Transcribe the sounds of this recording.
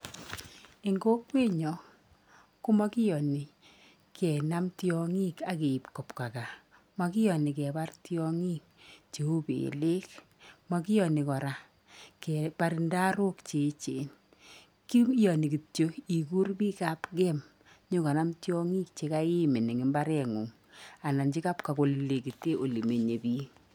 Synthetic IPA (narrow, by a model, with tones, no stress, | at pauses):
i˨ŋɡo˦kwe˦ɲɔ˨ | ku˦ma˦ki˦jɔ˨ni˨ | kɛ˨na˦mtjɔ˦ŋi˦ka˨ke˨i˨pkɔ˨pka˨ka˨ | ma˨kɪ˦jɔ˨ni˨kɛ˨ba˦rtjɔ˦ŋi˦k̚t͡ʃe˨u˦bḛ˨le˦k | ma˨ki˦jɔ˨ni˨kɔ˨ɾa˨ | kɛ˨pa˨˦ɾi˨nda˦ɾo˦kt͡ʃe˨t͡ʃe˨n | ki˦jɔ˨ni˨ki˨tjo˦i˨ku˦rpi˦ka˦pkɛ˦m | ɲo˦kɔ˨na˦mtjɔ˦ŋi˦k̚t͡ʃe˨ka˦i˦me˨ni˨ŋɪ˨mba˦ɾɛ˨ŋu˨ŋ | a˨na˨nt͡ʃi˦ka˦pka˨ko˨lle˨ki˨te˦ʔo˨li˨me˨ɲe˨biː˦